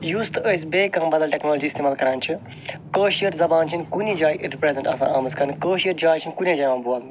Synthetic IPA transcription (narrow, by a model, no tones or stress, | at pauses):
juːst̪əsʲbeːkɐmbɐd̪ɐlʈʲeknoːlod͡ʒiːst̪eːmaːlkɐɾaːnt͡ʃʰi | kəːʃijəɾzɐbaːnt͡ʃʰinkunid͡ʒaːjɾipɾeːzeɳʈɐ̰sã̰ːaːmɐskɐɾnikəːʃijəɾd͡ʒaːjt͡ʃʰinʲkunʲed͡ʒaːjmãːbuaːln